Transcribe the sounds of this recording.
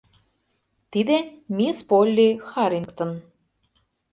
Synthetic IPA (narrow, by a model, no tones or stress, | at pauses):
t̪id̪emʲispolʲːixɑɾʲiŋkt̪ɤ̆n